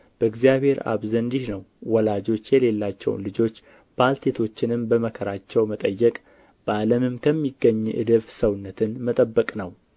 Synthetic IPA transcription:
b̥əɨɡzijaβhe̞ɾa̰βzənd̪ihnəwːɔlad͡ʒo̞t͡ʃːjɛle̞lːat͡ʃːɛ̰w̰nlɨd͡ʒo̞t͡ʃː | b̥alt̪ʰet̪ʰo̞t͡ʃːɪnɨmbəməkʰəɾat͡ʃːɛwmət̪ʼəjːɛkʼ | b̥əʔaləmɨmkʰəmːiɡːəɲːʔɨ̰d̪ɨβsəwnːət̪ʰɨnmət̪ʼəbːəkʼnəw

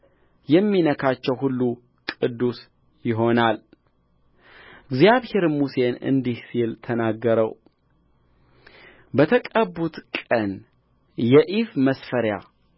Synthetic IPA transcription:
jɛmːinəkʰat͡ʃːɛwhulːu | kʼɨd̪ːus | jɪɦo̞nal | ɨɡzjaβhe̞ɾmuse̞nɨ̰nd̪ihsilt̪ʰənaɡːəɾəw | bət̪ʰəkʼəbːut̪kʼən | jɛʔifməsfəɾja̰

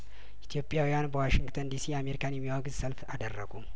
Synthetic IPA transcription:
ʔit̪ʰjo̞pʼːjawijanbəwaʃɪŋɡt̪ʰənd̪isijame̞ɾikʰanjɛmːiwaɡzsəlfad̪ərːə̰ɡu

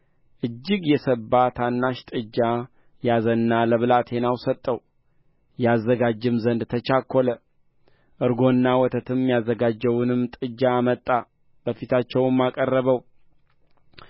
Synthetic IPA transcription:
ʔɨd͡ʒːɪɡjɛsəbːat̪ʰanːaʃt̪ʼɨd͡ʒːa | jazənːaləβɨlat̪ʰhe̞nawsət̪ʼːəw | jɛazːəɡad͡ʒːɨmzənd̪t̪ʰət͡ʃakʰʷːɔlə | ʔɨɾɡo̞nːawɔt̪ʰət̪ʰɨmjazːəɡad͡ʒːəwʊnɨmt̪ʼɨd͡ʒːamət̪ʼːa | b̥əfit̪ʰat͡ʃːɛwmːakʼərːəβəw

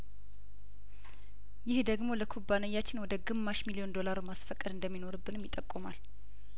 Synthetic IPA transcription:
jɪhd̪əɡmo̞ləkʰubːanəjːat͡ʃːɪnwɔd̪əɡɨmːaʃmilio̞nd̪o̞laɾmasfəkʼːəd̪ɨnd̪əmːinoɾɨbːɨnmjɪt̪ʼːəkʼːɨma̰l

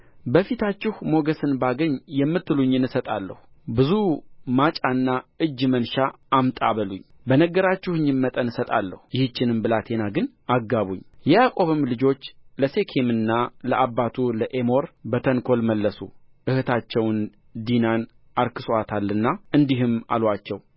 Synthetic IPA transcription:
bəfit̪ʰat͡ʃːɪhmo̞ɡəsɨnbaɡəɲːjɛmːɨt̪ːɨluɲːɪnɨsət̪ʼalːə̰hubɨzumat͡ʃʼanːaɨd͡ʒːmənʃaʔːmt̪ʼaβəluɲː | bənəɡəɾat͡ʃːɪhɨɲːɪmːət̪ʼənɨsət̪ʼa̰lːəhujɪhɨt͡ʃːɪnɨmbɨlat̪ʰe̞naɡɨn | aɡːaβuɲːjɛjakʼo̞βɨmlɨd͡ʒo̞t͡ʃːləse̞kʰemɨnːaləabːat̪ʰuləʔe̞mo̞ɾbət̪ʰəŋkʰo̞lməlːəsu | ʔɨhɨt̪ʰat͡ʃːɛwn | d̪inan | ʔaɾkɨsoat̪ʰalːɨnːaɨnd̪iɦɨma̰lwat͡ʃːɛw

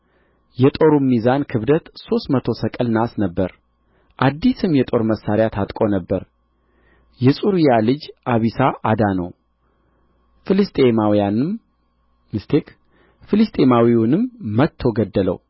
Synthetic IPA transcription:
jɛt̪ʼo̞ɾumːizankʰɨβd̪ət̪so̞st̪mət̪ʰo̞səkʼɨlnasnəbːəɾ | ʔad̪ːisɨmjɛt̪ʼo̞ɾməsːaɾɪjat̪ʰat̪ʼkʼo̞nəbːəɾ | jɛsʼuɾijalɨd͡ʒʔaβisaʔad̪anə̰w | fɨlɨst̪ʼemawjanɨm | mɨst̪ʰek | fɨlɨst̪ʼemawiwunɨmːət̪ʰːo̞ɡəd̪ːələ̰w

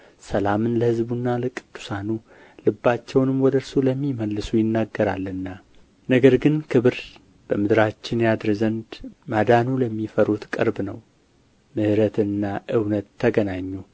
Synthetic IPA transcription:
səlamɨnləhɨzbunːaləkʼɨ̥d̪̥ːu̥sanu | lɨbːat͡ʃːɛwnɨmwɔd̪əɾsuləmːiməlːɨsujɪnːaɡːəɾalːɨnːa | nəɡəɾɡɨnkʰɨβɨɾ | b̥əmɨd̪ɾat͡ʃːɪnjad̪ɾzənd̪mad̪anuləmːifəɾut̪kʼɨ̰ɾbnəw | mɨhɾət̪ʰɨnːaʔɨwnət̪ʰːəɡənaɲːu

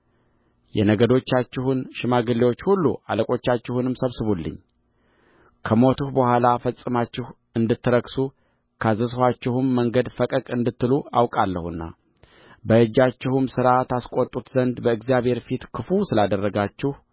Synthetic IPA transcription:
jɛnəɡəd̪o̞t͡ʃːat͡ʃːɪhunʃɪmaɡɨlːewo̞t͡ʃːhulːṵʔa̰ləkʼo̞t͡ʃːat͡ʃːɪhunɨmsəβsɨβulːɨ̰ɲː | kʰəmo̞t̪ʰuhbəhʷalafəsʼɨmat͡ʃːɪh | ɨnd̪ɨt̪ːɨɾəksu | kʰazəshat͡ʃːɪhʊmːəŋɡəd̪fəkʼəkʼɨnd̪ɨt̪ːɨluawkʼalːə̰hɨnːa̰ | bəɨd͡ʒːat͡ʃːɪhumsɨɾat̪ʰaskʼot̪ʼːut̪zənd̪bəɨɡzijaβhe̞ɾfit̪kʰɨfusɨlad̪ərːəɡat͡ʃːɪh

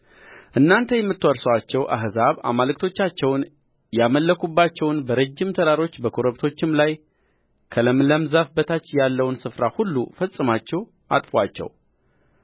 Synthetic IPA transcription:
ʔɨnːant̪ʰəjɛmːɨt̪ːwoɾsəwat͡ʃːɛwʔa̰ɦzaβa̰malɨk̚t̪ʰo̞t͡ʃːat͡ʃːɛwn | jaməlːəkʰubːat͡ʃːɛwnbəɾəd͡ʒːɪmt̪ʰəd̪aɾo̞t͡ʃːbəkʰoɾəβt̪ʰo̞t͡ʃːɪmlaj | kʰələmləmzafbət̪ʰat͡ʃːjalːəwnsɨfɾahulːṵfəsʼɨmat͡ʃːɛw | ʔa̰t̪ʼfwat͡ʃːɛ̰w

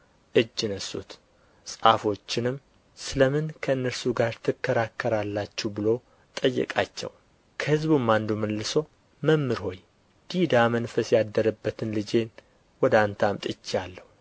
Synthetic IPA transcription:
ʔɨd͡ʒːɨnəsṵt̪ | sʼa̰fo̞t͡ʃːɪnɨm | sɨləmɨnkʰəɨnːəɾsuɡaɾt̪ʰɨkʰːəɾakʰːəɾalːat͡ʃːubɨlo̞ | t̪ʼəjːɨ̰kʼat͡ʃːɛ̰w | kʰəhɨzbumːand̪uməlːɨso̞ | məmːɨɾho̞j | d̪̥id̪amənfəsjad̪əɾəbːət̪ʰɨnlɨd͡ʒe̞n | wɔd̪ant̪ʰamt̪ʼɨt͡ʃːjalːəhu

